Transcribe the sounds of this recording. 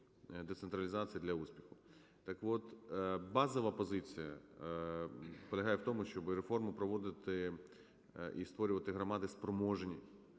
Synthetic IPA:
d̪et̪sent̪ɾɐlʲɪzat͡sʲijɐd̪lʲɐusʲpʲixʊ | t̪ɐkʋɔt̪bɑzɔʋɐpɔzɪt͡sʲijɐ | pɔlʲɐɦɑjewt̪ɔmʊʃt͡ʃɔbɪɾefɔrmʊpɾɔʋɔd̪ɪt̪ɪ | ḭst̪ʋɔɾʲʊʋɐt̪ɪɦɾɐmɑd̪ɪspɾɔmɔʒenʲi

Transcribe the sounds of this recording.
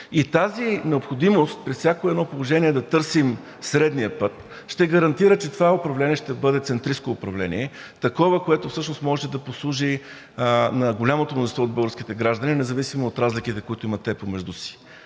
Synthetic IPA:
it̪azinɛopxod̪imost̪̚pɾɛssʲjakoɛd̪nɔpolˠoʒɛniɛd̪ɐt̪ɤɾsim | sɾɛd̪nijəpɤt̪ | ʃt̪ɛɡɐɾɐnt̪iɾət͡ʃɛt̪ovaʊpɾɐvlɛniɛʃt̪ɛbɤd̪ɛt̪sɛnt̪ɾiskoʊpɾɐvlɛ̰nḭɛt̪ɐkɔvəkoɛt̪ʊfsɤʃnosmɔʒɛd̪ɐposlˠuʒi | nɐɡolʲamot̪omnozint̪vɔod̪bɤlˠɡəɾsk̟it̪ɛɡɾaʒd̪ɐninɛzɐvisimoːt̪ɾazlikit̪ɛkoit̪ʊimɐt̪ːɛpomɛʒd̪usi̥

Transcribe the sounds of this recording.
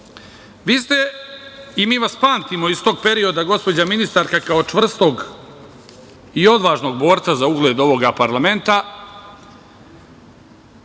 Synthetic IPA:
ʋiːst̪e̞ | imiːʋaspaːnt̪imo̞ist̪o̞ːɡ̚pe̞ɾio̞d̪aɡo̞spo̞d͡ʑaminist̪aɾkakao̞t͡ʂʋr̩st̪o̞ɡ | io̞d̪ʋaːʒno̞ɡ̚bo̞ːɾt̪sazauɡleːd̪o̞ʋo̞ɡapaɾlame̞nt̪a

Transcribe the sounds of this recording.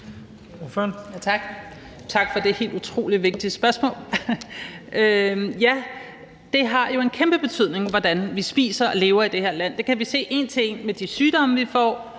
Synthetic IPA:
fønjt͡sʰɑ̈ɡ̥ | t͡sʰɑ̈ɡ̥fɒ̽d̥e̝he̝̰ːldut͡sʰʁo̝̰ːliʋe̝ɡ̥̚d̥i̥sb̥ɶɐsmɔ̰̽ːl | ʔøjæ | d̥e̝ɦɑ̈jo̝e̝nkʰemb̥əb̥e̝t͡sʰy̰ð̰ˠne̝ŋʋɒd̥ænʋisb̥ḭːsɐɒ̽le̝ːʊɐid̥e̝he̝ɐ̰læn̰d̥e̝kʰæʋise̝̰ːe̝nt͡sʰe̝ŋ̰med̥isyːd̥ɒ̽məʋifɒ̰ː

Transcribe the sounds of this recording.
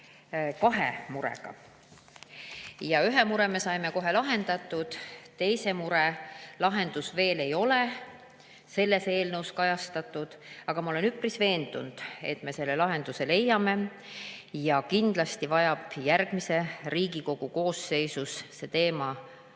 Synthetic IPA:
kɑɦḛmuɾḛɡ̥ɑ̰ | jɑyɦe̞muɾe̞me̞sɑjme̞ko̞ɦe̞lɑɦe̞nd̪̥ɑt̪ːˑud̪̥t̪e̞jse̞muɾelɑɦe̞nd̪̥usve̞ːle̞jo̞le̞ | se̞lːe̞se̞ːlnewskɑjɑst̪ɑt̪ːˑud̪̥ɑɡ̥ɑmɑo̞le̞nyprisve̞ːnd̪̥ṵnd̪̥e̞̰t̪ːˑme̞se̞lːe̞lɑɦe̞nd̪̥use̞le̞jːɑme̞ | jɑkind̪̥lɑst̪ivɑjɑb̥jærɡ̥mise̞riːɡ̥iko̞ɡ̥uko̞ːsːe̞jsusse̞t̪e̞ːmɑ

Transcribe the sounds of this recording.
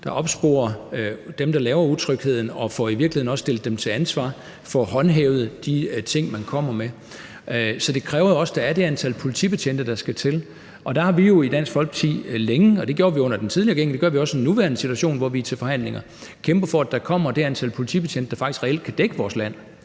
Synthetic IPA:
d̥ɑ̈ʔɒ̽b̥sb̥o̝̰ːɐd̥emd̥ɑlɛːʊɐut͡sʰʁœɡ̥he̝ð̰ˠn̩ɒ̽fɒiʋiɐɡlhe̝nɒ̽ssd̥e̝ld̥d̥emt͡sʰe̝lænsʋɑ̰̈ | fɒ̽ːɦɒ̽nɦeːʊðˠəd̥it͡sʰe̝ŋ̰mænkʰɒ̽m̰ɐme | sɒ̽d̥e̝kʰʁɛːʊɐjoɒ̽sd̥ɑ̈æɐd̥e̝ænt͡sʰælpʰo̝lit͡sʰḭb̥e̝ɕʰen̰d̥əd̥ɑ̈sɡ̥æt͡sʰe̝l | ʔɒ̽d̥æ̈hɑ̈ʋijo̝id̥æn̰sɡ̥fɒ̽l̰ɡ̥t͡sʰḭːleŋəɒ̽d̥e̝ɡjo̝ːɐʋiɔ̽n̰ɐd̥ent͡sʰið̞ˠliɐɡ̥eŋ̰̩d̥e̝̥ɶɐʋiɒ̽senːuʋæɐnəsit͡sʰuæɕo̝̰ːnʋɒʋiæt͡sʰe̝lfɒ̽hæn̰le̝ŋɐ | kʰemb̥ɐfɒ̽æd̥ɑ̈kʰɒ̽m̰ɐd̥e̝ænt͡sʰæl̰pʰo̝lit͡sʰḭb̥e̝t͡ɕʰen̰d̥əd̥ɑ̈fɑ̈ɡ̥isɡʁɛel̰d̥̚kʰæd̥eɡ̥əʋɒːslæn̰

